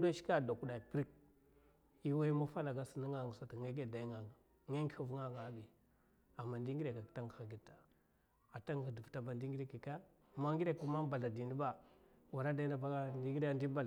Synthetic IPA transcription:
do˦ʃi̥˦ka˦˨da˨ku˨ɗa˨i˨pɾi˦k̚ | i˦wa˦i˦ma˦fa˦la˨ɡa˦sə˨ni˦ŋa˨ŋa˨sa˨ta˨ŋe˦ɡe˦˨da˨i˦ŋa˨ɡa˨ | ŋe˦ŋɡxu˨vŋa˦ɡa˨˦bi˨ | a˨mːa˨ndi˦ŋɡi˦ɾe˨ka˨kta˦ŋɡxa˨ɡi˦ta˨ | a˨ta˦ŋ˨di˨vta˨ba˨ndi˦ŋɡi˦ɾe˦ki˨ka˦ | ma˦ŋɡi˦ɾe˨ka˨˦ma˦ba˨a˨di˨ni˦ba˦˨ | wa˨ɾa˦da˦i˦na˦ba˦ɡa˦ndi˦ŋɡi˦a˦ndi˦ba˦l

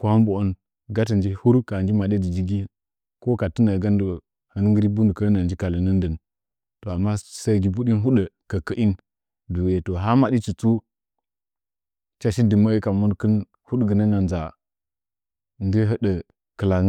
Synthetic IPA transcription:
ko˦ha˦mbo˨o˦n | ɡa˦tə˨nd͡ʒi˦hu˦ɾka˨nd͡ʒi˦ma˨ɗe˦di˨d͡ʒi˦ɡi˦ | ko˦ka˨tə˦nə˨ɡa˦ndə˨ | hə˨n˦ŋɡə˦ɾi˦bu˦ndə˨kə˦na˨nd͡ʒi˦ka˨lə˨nə˦n˦də˨n | to˨a˨mːa˦˨sə˦ɡi˨bu˦ɗi˦nɦu˦ɗə˨kə˨kə˦ʔi˦n | du˨je˨to˨ɦa˦ma˨ɗi˦t͡ʃi˨t͡su˦ | t͡ʃa˦ʃi˦də˨ma˦i˦ka˨mu˦n˦kə˦n | hu˦ɗɡə˨nə˦na˨nd͡za˨ | n˦di˦ɦə˦ɗə˨ | kə˨la˨ŋ˦

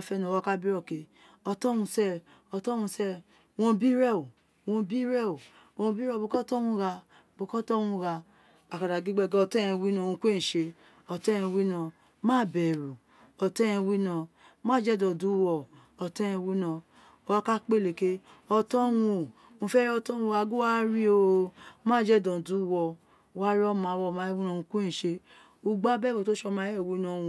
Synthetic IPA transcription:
a˦˨fɛ˦nɔ˨a˨˦ka˦bi˦ɾɔ˨ke˨ | ɔ˧tɔ˦wũ˧sɛ˦ | ɔ˧tɔ˦wũ˧sɛ˦ | wõ˧bi˦ɾɛ˦˨o˨ | wɔ̃˧bi˦ɾɛ˦o˨ | wɔ̃˧˦bi˦ɾɔ˦˨bo˧˨kɔ˦tɔ˦wũ˧˦ɣa˧ | bo˨kɔ˦tɔ˦wũ˧ɣa˧ | a˨ka˨ɾa˨ɡi˦ɡ͡bɛ˧˨ɡɔ˧tɛ˦ɛ̃˧˨wi˦nɔ̃˧˨wũ˧kʷe˦n̩˨ʃe˧ | ɔ˧tɛ˦ɛ̃˧wi˦nɔ̃˧ | mã˦˨bɛ˨ɾu˨ | ɔ˧tɛ˦j̃ɛ̃˧wi˦nã˧ | mãː˦˨d͡ʒɛ˦dɔ̃˨du˨˦wɔ˧ | ɔ˧tɛ˦ɛ̃˧wi˦nã˧ | ɔ˧a˦ka˦k͡pe˦˨le˨ke˦ɔ˧tɔ˦wũ˧ | ũ˧fɛ˦ɾɔ˧tɔ˦wũ˧ɾa˧ɡu˦wa˦ɾi˦o˦˧mãː˦˨d͡ʒɛ˦˨dɔ̃˨du˨˦wɔ˧˨ | wa˦ɾi˦ɔ˦mã˨˦˨wɔ˧˨mã˧˦wi˦nɔ̃˧ũ˧ku˦ẽ˦˨ʃe˧ | u˧ɡ͡ba˦bɛ˦˨wo˨to˦ʃɔ˧mã˧˦jɛ˦˨wi˦nɔ̃˧˦˧wũ˧

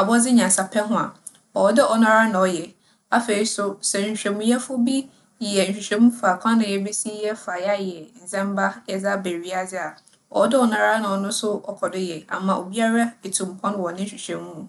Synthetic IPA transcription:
a˨bɔ˦d͡zɪ˦ɲã˨sa˨pʰɛ˦ɦʊ̃˦a̰˨ | ɔ˨wɔ˦dɪ˦ʔɔ˨nã˦ɾa˦nã˨ɔ˨jɛ˨ | a˦fe˨ɾi˦sʊ˦sɛ˨ɲ̩˨ɕᶣɛ˨mũ˦jɛ˦fʊ˦bi˦ | jɛ˨n̩˨ɕᶣi˨ɕᶣɛ̃˨˦mũ˦fa˨kʷʰã˦nɪ̃˨jɛ˦be˦si˦jɛ˦fa˨ja˦jɛ˨n̩˨zɛ̃˦m˦ba˦jɛ˨d͡za˦be˨ɥi˦a˦d͡zɪ˦a˨ | ɔ̰˨ɔ˦dɪ˦ɔ˨nã˦ɾa˦nã˨ɔ˨nʊ̃˦sʊ˦ɔ˨kʰɔ˨dɪ˦jɛ˨a̰˨mã˨ʔo̰˨bi˦a˦ɾa˦e˨tʰũ˨m˨pʰɔ̃˦n˦wɔ˨nɪ̃˦n̩˨ɕᶣi˨ɕᶣɛ̃˨mũ˦˨

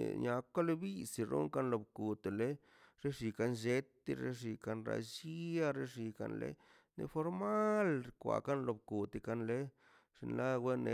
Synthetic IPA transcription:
ɲa˨kʷa˦le˦bi˦si˨ɾo̰˦ŋka˦nlo˨bku˨t̪e˨le˦ | ɾe˦ʐi˨ka˧nd͡ʒe˦t̪e˧ɾḛ˦ʐi˧ka˧nɾa̰˧˨d͡ʒi˦a˦ɾe˦ʐi˨ka̰˧nlḛ˦ | nḛ˧fo˧ɾma˦lɾkʷa̰˨ka˦nlo˨bku˨t̪e˨ka˧nle˦ | ʐ̥ḭ˧nla˦we˦ne˨˧

